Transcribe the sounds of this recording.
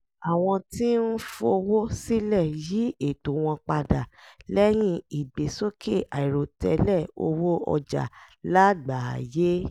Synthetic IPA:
a˨w̃ɔ̃˧ti˦n̩˦fo˧o˧wo˦si˦lɛ˦˨ji˨˦e˦˨to˨w̃ɔ̃˧k͡pa˧da˨lɛ˦j̃ĩ˧i˨ɡ͡be˨so˦kʰe˦˨ʔa˨i˨ɾo˨tɛ˧lɛ˦˨o˧wo˦ɔ̰˧d͡ʒa̰˨ | la˦ɡ͡ba˨je˦

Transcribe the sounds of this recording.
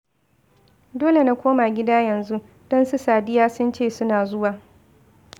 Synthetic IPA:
doː˦le˨na˦kʷoː˦maː˨ɡʲɪ˦daː˦jɐ˨nzu˦ | d̥ɔ˦nsu˦saː˨dɪ˦jaː˦sʊ˦nt͡ʃeː˦˨sʊ˦naː˨zʊ˦waː˨

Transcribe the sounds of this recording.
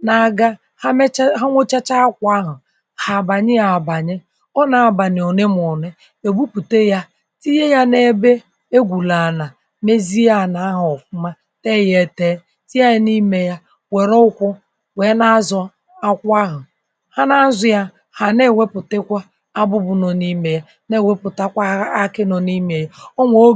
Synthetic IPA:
na˨ɡa˦ | ɦa˦ŋʷo˦t͡ʃa˦t͡ʃa˦kʷa˦ɦʊ˨ | ha˨ba˨ɲɪ˦ja˨ba˨ɲɪ˦ | ɔ˦na˨a˨ba˨n˨o˨ne˦m˨o˨ne˦ | e˨bu˦pu˨te˦ja˦ | ti˦je˦ja˦ne˦be˦ | e˦ɡʷu˨la˨na˨ | me˦zi˦a˦˨na˨a˦ɦʊ˨ɔ˨fʊ˦ma˦ | te˦˨je˨te˦ | ti˦a˦ɪ˦ni˦me˦ja˦ | we˨ɾɔ˦ʊ˦kʷʊ˦ | we˨˦na˦zɔ˨ | a˦kʷa˦ɦʊ˨ | ha˦na˦zʊ˨ja˦ | ha˨ne˦˨we˦pʊ˨te˦kʷa˦ | a˦bʊ˦bʊ˨no˨ni˦me˨ja˦ | ne˦˨we˦pʊ˨ta˦kʷa˦a˦kɪ˦no˨ni˦me˨ja˦o˦ŋʷo˦

